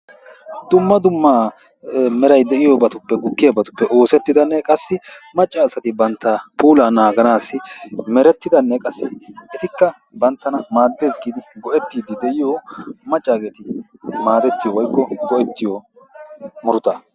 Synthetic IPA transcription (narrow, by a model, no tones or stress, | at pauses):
d̪̥ʊmːɐd̪ʊmːaː | mɛɾɐjd̪ɛʔɪjɔbɐt̪ʊpːɛɡʊkːɪjɐbɐt̪ʊ̥pːɛʔo̞ːsɛt̪ːɪd̪ɐnːɛkʼɐsːɪmɐt͡ʃʼːaːsɐt̪ɪbɐnt̪ːɐpʰʼuːlanaːɡɐnaːsɪmɛɾɛt̪ːɪd̪ɐnːɛkʼɐsːɪɛt̪ɪkːɐ | bɐnt̪ːɐnɐmaːd̪ːe̞ːsɡiːd̪ɪɡɔʔɛt̪ːiːd̪ɪd̪ɛʔɪjomɐt͡ʃʼːaːɡeːt̪ɪmaːd̪ɛt̪ːɪjɔwɔjkːɔɡɔʔɛt̪ːɪjɔ | mʊɾʊt̪a